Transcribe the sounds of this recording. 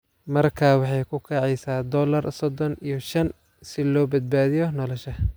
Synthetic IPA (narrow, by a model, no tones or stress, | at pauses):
mɐrkʰaːwɑħɑjkʰʊkʰɑʕɛjsaːd̪ɔːlɐrsɔd̪ɔnijɔʃɐn | sɪlɔːbɐd̪̚baːðɪjɔnɔːlɔʃɐ